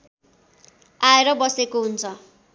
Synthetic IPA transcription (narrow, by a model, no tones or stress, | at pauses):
aeɾʌbʌsekoɦunt͡sʰʌ